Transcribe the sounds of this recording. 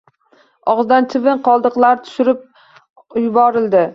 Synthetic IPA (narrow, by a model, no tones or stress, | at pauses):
ɒʁzd̪ant͡ʃ̪ʰɪvɪɴqʰɒlˠd̪ɨqlˠaɾt̪ʰʊ̥ʃɪɾɪp̚ | jʊbɒɾɪld̪ɪ